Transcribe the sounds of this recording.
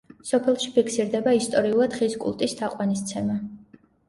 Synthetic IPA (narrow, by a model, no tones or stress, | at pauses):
sɔpʰɛlˠʃipʰiksiɾd̪ɛbaist̪ʼɔɾiulˠad̪̥χiskʼṵlˠt̪ʼisd̪ʰaqʼwanist̪sʰɛma